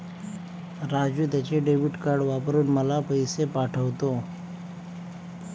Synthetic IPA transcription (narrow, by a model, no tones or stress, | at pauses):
ɾad͡ʑuːt̪jat͡ɕeɖeʋiʈkaɾɖʋapɾuːnməlapəjsepaʈʰəʋt̪o